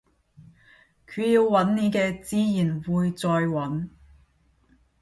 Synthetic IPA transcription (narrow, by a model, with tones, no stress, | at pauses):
kʰyː˨˧jiː˧wwɐ˨˥nniː˨˧˥kɛː˧t͡siː˧jiː˨˩nwuː˨jt͡sɔː˧jwɐ˨˥n